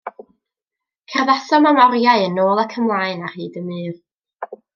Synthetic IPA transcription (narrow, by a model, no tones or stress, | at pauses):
kʰɛrðasɔmamɔrjaɨənoːlˠəkʰəmlˠaːɨnar̥hiːdəmɨːv